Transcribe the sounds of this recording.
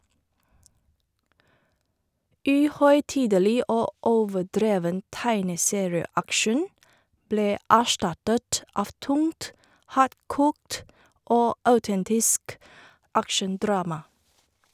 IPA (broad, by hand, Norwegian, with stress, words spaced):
ˈʔʉːˌhœʏˌtiːdəˌliː ˈʔoː ˈoːʋəˌdɾeːʋən ˈtæɪnəˌseːɹɪəˌækʃən ˈbleː ˈʔæːˌʃʈɑtət ˈɑːʋ ˈtʊŋt ˈhɑːɾˌkʊkt ˈoː ˈʔɑʉˌtɛntɪsk ˈʔækʃənˌdɾɑːmɑ